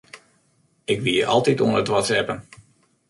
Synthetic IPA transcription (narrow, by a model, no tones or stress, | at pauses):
ɪkʋiəʔɑ̰lˠtituənətʋɔtsɛpən